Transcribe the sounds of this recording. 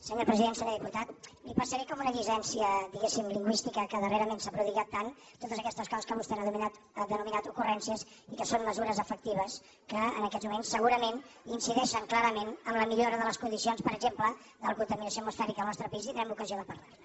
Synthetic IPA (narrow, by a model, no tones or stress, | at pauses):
səɲoɾpɾəziðensəɲoɾðiput̪at̪̚lipəsəɾɛkɔmunəʎizɛnsiəd̪iɣesimliŋɡwist̪ikəkəðəreɾəmensapɾuðiɣat̪ːan | t̪ot̪əzəkɛst̪əskaskəβust̪ɛnəðuminat̪ | əd̪ənuminat̪ukurɛnsiəz | ikəsonməzuɾəzəfək̚t̪iβəs | kəə̰nəkɛzmumensːəɣuɾəmeninsiðɛʃəŋklaɾəmenəmləmiʎoɾəðələskund̪isionspəɾəɡzemplə | ðəlkunt̪əminəsioəmusfɛɾikəəlˠnɔst̪ɾəpiziðɾɛmukəzioðəpəɾla